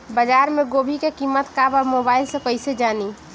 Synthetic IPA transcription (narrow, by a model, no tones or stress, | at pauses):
bəd͡ʒaɾmeɡobʱikekimːət̪kabɔmobaɪlsə̃kəɪsed͡ʒani